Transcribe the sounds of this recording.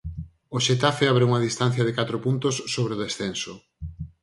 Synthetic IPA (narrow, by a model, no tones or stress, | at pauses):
oʃet̪afeaβɾeuŋɐðist̪an̟θjɐðɪkat̪ɾopunt̪osːoβɾeoðesθenso